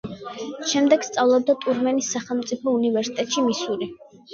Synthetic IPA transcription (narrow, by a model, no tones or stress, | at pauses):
ʃɛmd̪ɛɡ̥st̪sʼavlˠɔb̚d̪at̪ʼuɾmɛnisːaχɛlˠmt̪sʼipʰɔunivɛɾsi̥t̪ʼɛt̪ʼʃimisuli